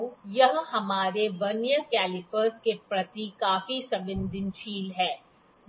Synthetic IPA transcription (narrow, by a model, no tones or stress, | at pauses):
jɐɦɦɐmaːɾeʋɐnjəkɛːlɪpəɾskepɾɐt̪ikaːfisɐbɪ̃nd̪ɪnʃiːlɦɛː